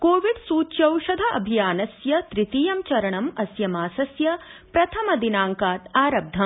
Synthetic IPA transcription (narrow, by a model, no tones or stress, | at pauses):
koːʋiɖsuːtʃɐwʃɐd̪ʱɐʔɐ̰bʱijaːnɐsjɐt̪ɾit̪iːjɐmt͡ʃɐɾɐɳɐmɐsjɐmaːsɐsjɐpɾɐt̪ʰɐmɐd̪inaːŋkaːt̪aːɾɐb̚d̪ʱɐm